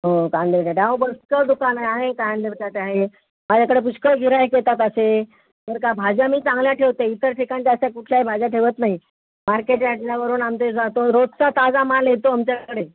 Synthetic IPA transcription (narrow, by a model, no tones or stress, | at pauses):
ɦokãnd̪eʈaʈabəskəd̪ukanaaɦekaɦand̪et͡ɕat̪eaɦe | mad͡ʑʱjakəɽep̬uɕkəɡʱiɾaɦeket̪at̪əse | t̪əɾkabʱad͡ʑamiːt͡sãŋɡljaʈʰeʋt̪eit̪əɾʈʰikañt͡ɕaasakuʈʰljaɦibʱad͡ʑaʈʰeʋət̪naɦi | maɾkeʈjaʈilaʋəɾuːnamt̪ed͡zat̪oɾod̪sat̪ad͡zamalet̪oamt͡ɕakəɽe